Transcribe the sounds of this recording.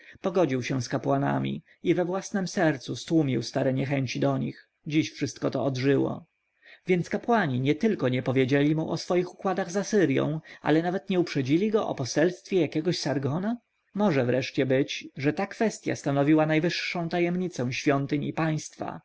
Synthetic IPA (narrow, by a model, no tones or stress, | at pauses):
pɔɡɔd͡ʑiwɕɛ̃skapwana̰mʲḭ | ivɛvwasnɛmsɛɾt̪sust̪wumʲiwst̪aɾɛɲɛxɛɲt͡ɕid̪ɔɲḭx | d͡ʑiɕfʂɘst̪̚kɔt̪ɔːd̪ʐɘwɔ̰ | vʲjɛnt̪skapwaɲiɲɛt̪ɘlkɔɲɛpɔvʲjed͡ʑelʲimṵʔɔsfɔjixukwad̪aɣzasɘɾjɔ̰̃w̃a̰lɛnavɛt̪ɲɛupʂɛd͡ʑilʲiɡɔʔɔ̰pɔsɛlst̪fʲjɛjakʲɛɡɔɕsaɾɡɔna | mɔʐɛvɾɛʂt͡ɕɛbɘt͡ɕʐɛt̪akfɛst̪ʲja̰st̪anɔvʲiwanajvɘʂːɔ̃w̃t̪ajɛmɲit̪sɛ̃w̃ɕfʲjɔnt̪ɘɲipaj̃st̪fa̰